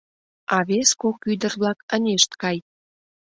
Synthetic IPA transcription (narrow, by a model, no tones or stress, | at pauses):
ɑβeskokyd̪ərβlɑkənʲeʃt̪kɑj